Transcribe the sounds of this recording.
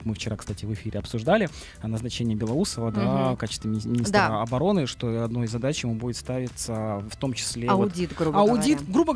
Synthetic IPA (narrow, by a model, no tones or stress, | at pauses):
mɨft͡ɕɪɾakst̪atʲɪvɨfʲiɾʲɪɐpsʊʐd̪alʲɪ | nəznɐt͡ɕenʲɪjəbʲɪlˠɐɾusəvəd̪vakat͡ɕɪ̥st̪vəmʲɪnʲisd̪əɐbɐɾo̞nɨʂt̪o̞ɐd̪no̞jɪzːɐd̪at͡ɕjɪmubudʲɪt̪st̪avʲɪt̪səft̪o̞mt͡ɕɪ̥sʲlʲeɐodʲit̪ɡɾubɐʊdʲit̪ɡɾubə